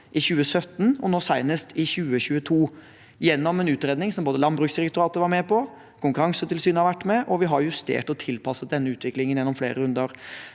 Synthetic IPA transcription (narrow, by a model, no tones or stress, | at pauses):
ʔɪçʉːəsœt̪ːnɔnoːsæɪnəst̪ʰɪçʉːəçʉːət̪ʰuː | jɛnːɔmɛnʉːt̪ɾeːd̪nɪŋsɔmboːd̪əlɑnbɾʉːksd̪ɪɾɛkt̪ʊɾɑːt̪əʋɑɾmɛpʰɔ | kʰʊŋkʉɾɑŋsət̪ʰɪlsyːnəhɑʋæʈːmɛʔɔʋɪɦɑɾjʉst̪ḛːʈɔt̪ʰɪlpʰɑsːət̪̚d̪ɛnːəʉːt̪ʋɪklɪŋənjɛnːɔmflḛːɾəɾʉnd̪əɾ